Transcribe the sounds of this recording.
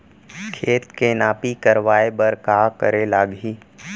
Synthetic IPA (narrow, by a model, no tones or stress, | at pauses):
kʰeːt̪kenaːpikəɾʋaːebəɾkaːkə̰ɾelaːɡɦiː